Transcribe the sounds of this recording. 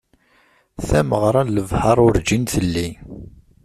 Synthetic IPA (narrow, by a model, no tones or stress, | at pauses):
θæməʁɾˤɑləvhəɾˤʊɾd͡ʒinθəlːi